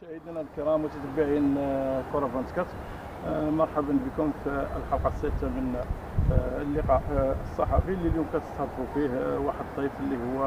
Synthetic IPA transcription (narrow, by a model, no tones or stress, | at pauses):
ʃæhəd̪nælkəɾˤɑmwt̪æt̪æbiʕjənkoɾˤɑbɑnskæt̪ | mɑɾˤħabənbəkʊmfiəlħɑlqɑsːæt̪amən | flːəqɑʔəsˤːɑħɑfilːiljumkæt̪ə̥st̪hɑd̪ˤfufihwaħəd̪t̪ˤːɑfəlːihʊwːæ